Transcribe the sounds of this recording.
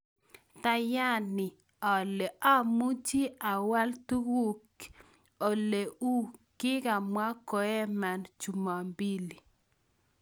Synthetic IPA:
ta˦ja˦nɪ˨ | ɔ˨le˨ʔa˦mu˦t͡ʃi˦a˨wa˦ltu˦wu˦k | o˨le˨ʔu˦kɪ˦ɡa˨mwa˦kɔ˨ɛ˦ma˦nt͡ʃu˨ma˨mbi˦li˨

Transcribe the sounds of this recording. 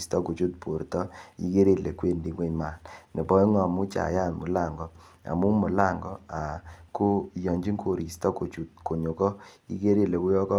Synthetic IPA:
stɔ˦ko˨t͡ʃu˦t̚po˨ɾtɔ˦ḭ˦ɡe˦ɾe˦le˨kwe˦ndi˨ŋwe˦ɲma˨nnɪ˨bɔ˦i˦ŋɔ˨mʊ˦t͡ʃa̰˨ja˦˨nmʊ˨la˦˨ŋɡɔ˨ | a̰˨mu˦mʊ˨la˦˨ŋɡɔ˦a˨kʊ˦˨jɔ˨ɲd͡ʒi˦ŋkʰo˨ɾi˨stɔ˦ko˨t͡ʃu˨t̚ko˨ɲo˨kɔ˦ḭ˦ɡe˦ɾe˦le˨wʊ˦jɔ˦kɔ˦

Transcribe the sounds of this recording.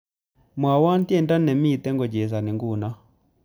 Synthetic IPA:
mwa˨wa˦n˦ti˦ɛ˦˨nda˦nɛ˨mi˦˨t̪ɛ˦ŋɡɔ˨d͡ʒɛ˨s̬a˨ni˨ŋɡu˦˨na˦

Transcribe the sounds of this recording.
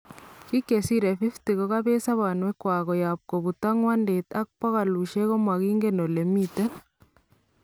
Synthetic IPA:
ki˦ke˨siɾɛ˨fi˦fti˨ɣɔ˦ɣa˦βɛ˦sa˦βa˨nwɛ˦kwa˨ɣɔ˨jap̚kɔ˨βu˨t̪aŋwa˦ndet̪a˦k̚pɔ˦ɣa˨lu˨ʃɛ˦ɣɔ˦mwa˨ɣiː˦ŋɡeno˨le˨mit̪ɛ˦

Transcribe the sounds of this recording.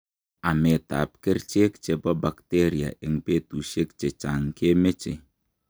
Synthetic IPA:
a˨me˨ta̰˨p̚ke˦ɾt͡ʃe˦k̚t͡ʃe˨bɔ˦ba˨kte˦ɾi˨a̰˨ʔe˨ŋ˨pe˦tu˨ʃe˦k̚t͡ʃe˨t͡ʃa˨ŋ˨kʰe˦me˦t͡ʃe˨

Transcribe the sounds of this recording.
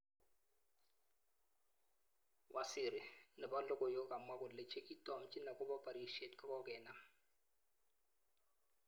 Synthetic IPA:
wʔa˦sɪ˨ɾɪ˨nɪ˨ba˦lɔ˦kʼɔ˨jo˦kʼa˨mwa˦kʊ˨dlɪ˨t͡ʃʰe˦kʼi˦tʼɔ˦˨m̩˦t͡ʃʼi˦na˨kʼʊ˦ba˦pʼa˨ɾiʃe˦tka˦kɔ˦kʼɛː˨na˨

